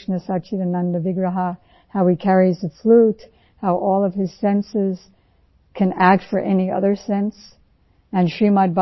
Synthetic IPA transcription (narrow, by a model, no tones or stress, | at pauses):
ʃnɨsat͡ʃiðɨnɑ̃ndɨvɪɡɹɨɦə | haʊikʰɛɹizðəflut | haʊʔɔlˠʌv̥ɨz̥sɛ̃nsɪz̥ | kʰɨ̃næk̚tfə˞ʔɛniʔʌ̰ðə˞sɛ̃ns | ɨ̃nʃimad̚ba